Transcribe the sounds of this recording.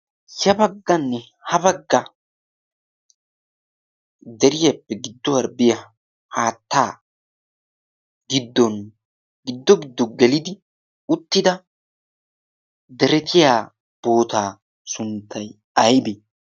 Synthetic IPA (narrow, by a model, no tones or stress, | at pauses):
sɐbɐɡːɐnːɛ | hɐbɐɡːɐ | d̪ɛɾɪjɐpːɛɡɪd̪ːɔwɐɾbɪjɐ | haːt̪ːaː | ɡɪd̪ːɔn | ɡɪd̪ːɔɡɪd̪ːɔɡɛlɪd̪ɪ | ʊt̪ːɪd̪ɐ | d̪ɛɾɛt̪ʰɪjaː | b̥o̞ːt̪aː | sʊnt̪ːɐj | ɐjbe